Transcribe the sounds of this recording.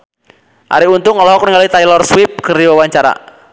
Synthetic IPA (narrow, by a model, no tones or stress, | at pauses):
ʔa̰ɾiunt̪uŋɔlɔɦɔkniŋɡalit̪ajlɔrswip̚kɨrdiwawaɲt͡ʃaɾa̰